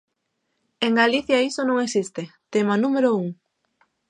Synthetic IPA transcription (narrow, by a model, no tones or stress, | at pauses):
eŋɡaliθjaisonõŋesist̪et̪emanumeɾouŋ